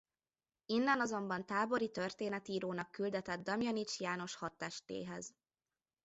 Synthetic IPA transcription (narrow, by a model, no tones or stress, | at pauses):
inːɛnɒzo̞mbɒnt̪aːbo̞ɾit̪ørt̪eːnɛt̪iːɾoːnɒkːyld̪ɛt̪ɛd̪d̪ɒmjɒnit͡ʃjaːno̞ʃhɒt̪ːɛʃt̪ḛːɦɛz